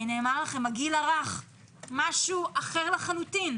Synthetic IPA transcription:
neːmaʁlaχe̞maɡilaʁaχ | maʃuʔaχeʁlaχalutin

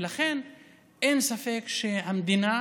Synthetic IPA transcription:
laχe̞n | ʔe̞nsafe̞kʃe̞ɦamd̪ina

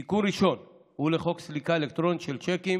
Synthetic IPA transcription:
ikuɾiʃo̞n | huleχo̞kslikaelekt̪ɾo̞nit̪ʃelt͡ʃekim

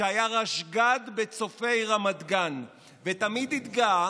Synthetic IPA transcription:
eajaʁaʃɡad̪bet͡so̞fe̞jʁamad̪ɡan | vet̪amid̪it̪ɡa

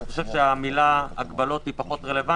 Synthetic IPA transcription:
iχoʃevʃeamilaaɡbalo̞t̪hipaχo̞t̪ʁele̞va

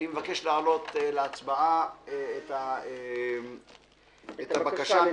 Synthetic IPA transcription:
imevake̞ʃlaːlo̞t̪eleat͡sbaʔaeet̪ae | et̪abakaʃa

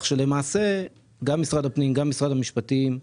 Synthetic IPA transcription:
χʃe̞le̞maːse̞ | ɡamːisʁadapnimɡamːisʁadamiʃpatim

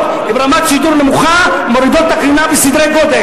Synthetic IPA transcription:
t̪ | ibɾamat̪sid̪uɾnemuχa | moɾid̪ot̪̚ːakinabesid̪ɾejɡod̪e

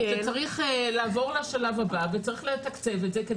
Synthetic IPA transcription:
zet͡saʁiχelaːvo̞ʁlaʃalavhabavet͡saʁiχlet̪akt͡sevetzeke

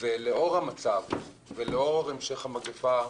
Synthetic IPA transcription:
veleo̞ʁhamat͡sav | veleo̞ʁaʁemʃe̞χhamaɡefa

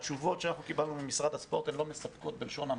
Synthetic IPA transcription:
t͡ʃuvo̞tʃeanaχnukibalnumemisʁad̪haspo̞ʁt̪emlo̞mesapkot̪̚belʃo̞na

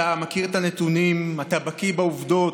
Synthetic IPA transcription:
amakiʁetanet̪unimat̪abakibauvd̪o̞t

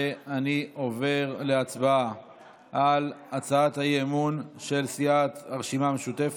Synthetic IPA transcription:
anio̞ve̞ʁleat͡sbaa | ʔalat͡saat̪hajemunʃe̞lsiat̪aʁʃimameʃut̪ef

